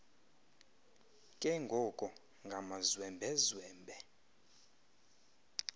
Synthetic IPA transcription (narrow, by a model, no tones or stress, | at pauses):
kʼɛŋɡʱɔkʼɔ | ŋɡʱamazwɛmbʱɛzwɛːmbʱɛ